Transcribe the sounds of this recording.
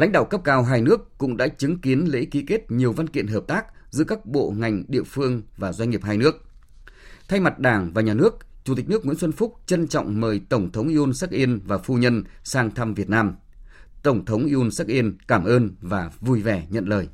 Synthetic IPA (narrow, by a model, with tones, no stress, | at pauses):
la̰˧˥ŋ̟ɗa̰ː˧˨wkə˦˥p̚kaː˧wɦaː˧jnɨ˦˥əkːʊ̰˧˥ŋ͡mɗa̰ː˧˥t͡ɕɨ˨˦ŋki˨˦ənlḛ˧˥ki˨˦ke˦˥t̚ɲi˨˩əwva˧nkḭ˧˨ənɦəː˨˩p̚t̪aː˦˥k̚ | zɨ̰˧˥əkaː˦˥k̚ɓo̰˧˨ŋa˨˩jŋ̟ɗḭ˧˨əfɨ˧əŋvaː˨˩zwa˧ɲŋŋi˨˩əp̚haː˧jnɨ˦˥ək̚ | t̪ʰa˧jma˨˩t̚ɗaː˧˩ŋvaː˨˩ɲaː˨˩nɨ˦˥ək̚t͡ɕu˨˧˩t̪i̟˨˩nɨ˦˥ək̚ŋw̰i˧˥nsə˧nfʊ˦˥k͡p̚t͡ɕə˧nt͡ɕɔ̰˧˨wŋ͡mməː˨˩jt̪ə˧˩wŋ͡mt̪ʰə˨˦wŋ͡mʔi˧ʔo˧nsa˦˥k̚ʔi˧ənvaː˨˩fu˧ɲə˧nsaː˧ŋt̪ʰa˧mvi˨˩ət̚naː˧m | t̪ə˧˩wŋ͡mt̪ʰə˨˦wŋ͡mʔi˧ʔo˧nsa˦˥k̚ʔi˧ənkaː˧˩mʔəː˧nvaː˨˩vu˧jvɛ˨˩ɲə̰˧˨nləː˨˩j